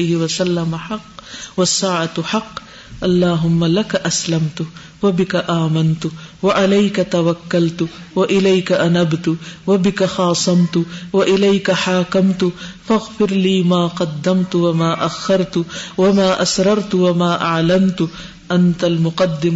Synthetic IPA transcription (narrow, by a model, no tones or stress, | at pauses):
jhɪwasalːamaħɑqːwasːaːʕat̪ħɑqː | ʔɑlˤːɑːɦʊmːalakaʔaslamt̪ʊ | wabɪkaʔaːmant̪ʊwaʕalajkat̪awakːalt̪ʊwaʔɪlajkaʔanabt̪ʊwabɪkaxɑːsˤɑmt̪ʊwaʔɪlajkaħaːkamt̪ʊfaɣfɪɾliːmaːqɑd̪ːamt̪ʊwamaːʔaxːɑɾˤt̪ʊwamaːʔasɾˤɑɾˤt̪ʊwamaːʔaʕlamt̪ʊ | ʔant̪almʊqɑd̪ːɪm